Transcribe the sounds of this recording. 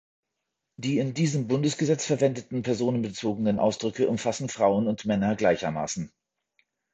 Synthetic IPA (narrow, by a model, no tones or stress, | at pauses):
d̥iːɪndiːzəmbʊndəsɡ̥əzɛt͡sfɛɐvɛndətn̩pʰɛɐzoːnənbət͡soːɡənənʔa̰ʊsd̥ʁʏkəʔʊmfasn̩fʁ̥aʊənʊntmɛnɐɡlaɪçɐma̰ːsn̩